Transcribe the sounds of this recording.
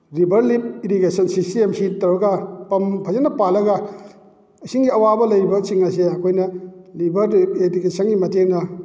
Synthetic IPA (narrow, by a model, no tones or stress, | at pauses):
ɾibɐɾlip̚iɾikesɐnsisiemsitɐwɾɐɡɐpɐmpʰɐzenːɐpalːɐɡɐ | ɐjsiŋɡiɐwabɐlɐjɾibɐt͡ʃiŋaseɐkʰojnɐlibɐɾipedikesʰɐnɡimɐteŋnɐ